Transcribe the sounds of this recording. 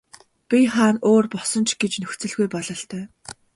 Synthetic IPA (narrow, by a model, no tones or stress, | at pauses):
pʲiχaːnoːrpɔsɞ̆nt͡ɕʰɡet͡ɕnɵxt͡sɵ̆ɮɣujpɔɮɞ̆ɬt̪ʰœː